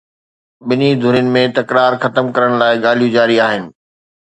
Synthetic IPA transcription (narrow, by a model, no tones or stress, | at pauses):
ɓɪnid̪ʱʊɾinɪ̆mẽt̪ɐkɾaːɾxɐt̪əmkɐɾəɽ̃laːɪɠaːl̤ijũd͡ʑaːɾiaːɦɪnɪ̆